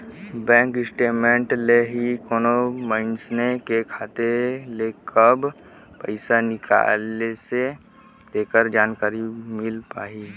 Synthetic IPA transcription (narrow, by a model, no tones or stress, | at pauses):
bɛ̃ːŋkɪsʈeːmẽɳʈleɦikoːnomaɪnsnekekʰaːt̪elekəb | pəɪsanɪkʰa̰ːlese | d̪eːkəɾd͡ʒaːnkaːɾimɪlpa̰ːi